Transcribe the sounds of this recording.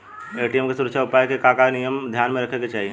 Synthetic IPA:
eʈijemkesuɾəkʃʰjaʊpaːekekakanijəmd̪ʱjaːnmẽɾɐkʰeket͡ʃaːɦie

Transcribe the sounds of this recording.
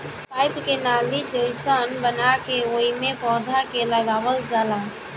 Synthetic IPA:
paːɪpkenaːlid͡ʒəɪsənbənakeʋoːimẽpɔːd̪ʱakeləɡaːʋəld͡ʒaːla

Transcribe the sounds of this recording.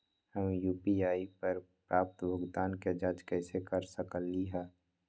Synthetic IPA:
həmejuːpiaːipəɾpɾʔaːp̚t̪bʱəɡd̪aːnked͡ʒaːd͡ʒkɛːsekəɾsəkəlːiɦɛː

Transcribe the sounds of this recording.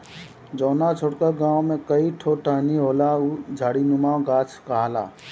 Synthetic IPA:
d͡ʒɔːnat͡ʃʰoɽkəɡãːwmẽkəiʈʰoʈʰaːniɦoːlaud͡ʒʱaːɽinʊmaːwɡaːt͡ʃkaɦala̰ː

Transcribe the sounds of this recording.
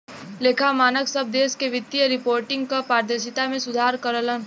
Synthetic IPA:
leːkʰamaːnəksəb̚d̪eːskeʋɪt̪ːijəɾɪpoːɾʈɪ̃ŋɡ̚kapaːɾd̪eːʃɪt̪amẽsʊd̪ʱaːɾkəɾələn

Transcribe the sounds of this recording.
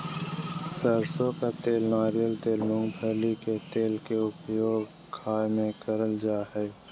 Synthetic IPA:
səɾsõkat̪eːlnaːɾijəlt̪eːlːʊ̃ŋɡbʱəliket̪eːlkeʊpjoːɡ | kʰaːjmẽkəɾəld͡ʒaːɦɛː

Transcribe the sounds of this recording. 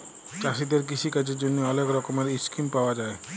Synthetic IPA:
t͡ɕaʃid̪eɾkiʃʰikad͡ʑeɾd͡ʑonːeɔlekɾɔkomeɾiskimpaoad͡ʑae

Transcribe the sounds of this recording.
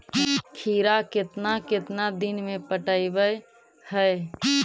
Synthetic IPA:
kʰiːɾakɪt̪nakɪt̪nad̪inmẽpəʈəibəj | həe

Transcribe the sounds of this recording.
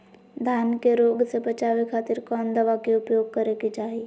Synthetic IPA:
d̪ʱaːnkeɾoːɡsebɐt͡ʃaːʋekʰaːt̪iɾkɔːnd̪ɐʋakeʊpjoːɡ̚kəɾekit͡ʃaːi

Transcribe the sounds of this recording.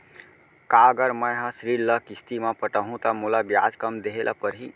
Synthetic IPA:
kaɡəɾməjɦʌ̃sɾiɾlʌkist̪imapəʈəɦũt̪əmulabja̰d͡zkəmd̪eɦelʔa̰pəɾɦi

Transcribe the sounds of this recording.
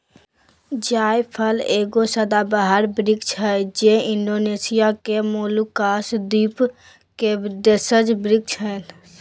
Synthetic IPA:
d͡ʒaːjpʰəleːɡosəd̪abaɦəɾbɾɪkt͡ʃʰɦəd͡ʒeɪnɖoneːsijakemoːlukaːsd̪iːp | ked̪esəd͡ʒbɾɪk̚t͡ʃʰɦən

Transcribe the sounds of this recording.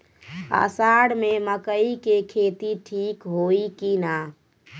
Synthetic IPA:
a̰saɽmeməkəikekʰet̪iʈʰikɦoikina

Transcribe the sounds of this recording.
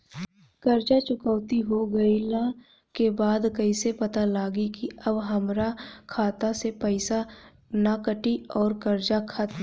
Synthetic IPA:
kɐɾd͡ʒat͡ʃʊkəːt̪iɦoɡɐɪla | kebaːd̪kɐisepɐt̪alaːɡikiɐbɦɐmɾakʰaːt̪asepəɪsa | nakəʈiɔːɾkɐɾd͡ʒakʰət̪

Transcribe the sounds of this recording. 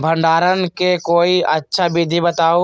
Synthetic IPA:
bʱə̃ɳɖaːɾənkekoːiətːʃʰabid̪ʱibət̪aːo

